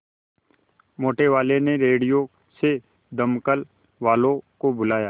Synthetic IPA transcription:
moːʈeʋaːleneɾeːɖijo | se | d̪əmkəl | ʋaːlõkobʊlaːjaː

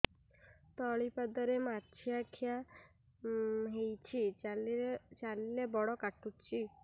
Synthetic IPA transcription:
t̪ɔɭipad̪ɔɾemaɾt͡ʃʰiakʰja | ɦejt͡ʃʰi | t͡ʃalilebɔɽɔkaʈut͡ʃʰi

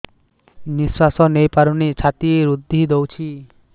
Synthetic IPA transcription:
niswasɔnejpaɾunit͡ʃʰat̪ieɾud̪ʱːid̪owt͡ʃʰi

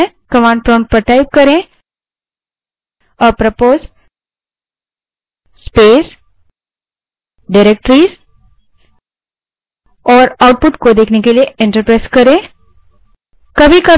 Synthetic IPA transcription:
ẽ | kəmãɳɖ̚pɾoɳɖ̚pəʈajp̚kəɾẽ | əpɾəpoz | spes | ɖiɾek̚ʈɾiːs | ɔɾawʈ̚puʈkod̪ekʰnẽkelieeɳʈəɾpɾajskəɾẽ | kəbʱiːkə

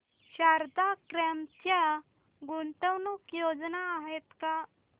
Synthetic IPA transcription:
ɕaɾd̪akɾɛmt̪ja | ɡunt̪əwnukjod͡znaːɦet̪ka

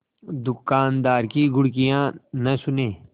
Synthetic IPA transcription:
d̪ʊkaːnd̪aːɾkiɡʊɽkijãnəsʊneː

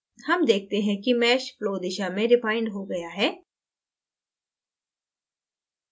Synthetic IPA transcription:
hɐmd̪eːk̚ʰt̪eɦɛ̃kimɛːʃfloːd̪ɪʃamẽɾɪpaːɪ̃ɳɖɦoɡɐjaɦɛː

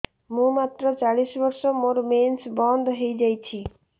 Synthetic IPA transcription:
mũmat̪ɾɔt͡ʃaɭisbɔɾsɔmoɾmensbɔnd̪ɦejd͡ʒajt͡ʃʰi

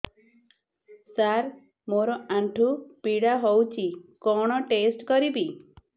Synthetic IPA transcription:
saɾ | moɾɔaɳʈʰupiɽaɦowt͡ʃʰikɔɽ̃ɔʈesʈkɔɾibi

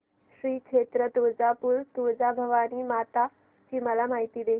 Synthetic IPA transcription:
ɕɾiːkʂʰeːt̪ɾət̪uːd͡zapuɾt̪ud͡zabʱɐʋaːnimaːt̪a | t͡ɕiːməlamaɦit̪iːd̪eː

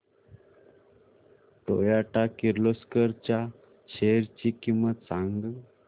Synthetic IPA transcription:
ʈ̪o̰jaʈakiɾloskəɾt͡ɕja | ɕeɾt͡ɕikimʋat͡sãŋɡ

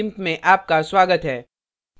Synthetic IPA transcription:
ɪ̃mpmẽʔaːp̚kaswaːɡət̪ɦɛː

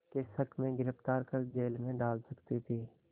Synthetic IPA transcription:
kesəkʰmẽɡɪɾəft̪aːɾkəɾd͡ʒeːlmẽɖaːlsəkt̪it̪ʰiː

